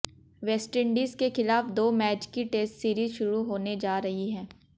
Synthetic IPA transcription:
ʋɛːsʈɪɳɖiːzkexɪlaːfd̪oːmɛːt͡ʃkiʈeːsʈsiːɾizʃʊɾuɦoːned͡ʒaːɾɐɦiɦɛ̃ː

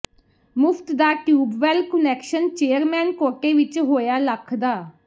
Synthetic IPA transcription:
mʊpʰt̪d̪aːʈjuːbʋɛːlkənɛːkʃənt͡ʃeːəɾmɛːnkoːʈeːʋɪt͡ʃɦoːjaːləkʰd̪aː

